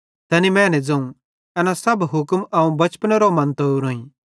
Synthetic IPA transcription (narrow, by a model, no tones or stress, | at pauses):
t̪ɐnimɛ̃ːnɛd͡zɐ̃ũ | ɛnasɐbɦʊkmɐũbɐt͡ʃpəneɾomɐ̃nt̪ouɾõːĩ